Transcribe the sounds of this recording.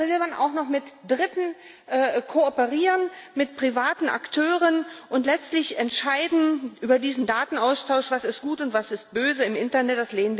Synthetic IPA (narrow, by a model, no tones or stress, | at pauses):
vɪlmanʔa̰ʊxnɔχmɪtd̥ʁɪtn̩ | ʔɛːkʰoːɔpəʁiːʁənmɪt̚pʁ̥ivaːtn̩ʔa̰ktʰøːʁənʔʊntlɛt͡stlɪçʔɛntʃaɪdn̩ʔyːbɐdiːzn̩daːtn̩ʔaʊstʰaʊʃv̥asɪst̚ɡ̥uːtʊntv̥asɪst̚b̥øːzəɪmʔɪntɐnɛt̚d̥asleːnvi